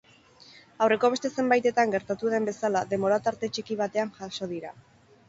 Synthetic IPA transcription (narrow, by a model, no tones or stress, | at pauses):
awre̞ko̞β̞e̞st̪e̞se̞mbajt̪e̞t̪aŋɡe̞ɾt̪at̪uðe̞mbe̞salaðe̞mbo̞ɾat̪aɾt̪e̞t͡ʃikiβ̞at̪e̞aŋʝaʃo̞ð̞iɾa